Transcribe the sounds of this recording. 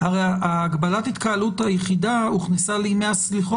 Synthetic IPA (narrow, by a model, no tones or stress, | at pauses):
haʁejaaːɡbalathit̪kaaluthajeχidauχnesalimeasliχo